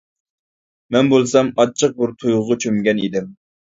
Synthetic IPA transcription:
mɛnbolˠsɑmɑt͡ʃʰəq̚buɾt̪ʰujʊʁʊt͡ʃʰømɡʲɛnid̪ɪm

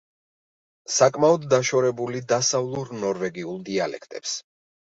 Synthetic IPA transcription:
sakʼmaɔd̪ːaʃɔɾɛbulid̪asavlˠuɾnɔɾvɛɡiulˠd̪ialɛ̰kʰt̪ʼɛps

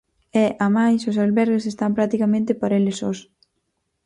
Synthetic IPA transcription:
ɛʔamajsos̬alβɛɾɣes̬est̪ampɾak̚t̪ikamẽnt̪epaɾelesos

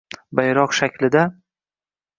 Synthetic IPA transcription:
bajɾɒqʃakʲʰlɪd̪a

